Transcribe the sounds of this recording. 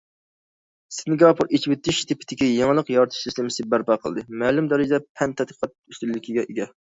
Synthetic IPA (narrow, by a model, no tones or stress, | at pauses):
sɪnɡɑpʰuɾet͡ʃʰiwɪt̪ːɪʃt̪ʰɪpʰɪ̥t̪ʰɪkʲijɑŋlˠəqjɑɾt̪ʰɨ̥ʃsislɪmɪsɪbæɾpɑqʰəlˠd̪ɨmælumd̪ɛɾɪd͡ʒɪd̪ɛpʰɛnt̪ʰɛd̪̚qʰi̥qʰɑt̪̚yst̪ylːɪkʲʰiɡʲɛʔeɡʲɛ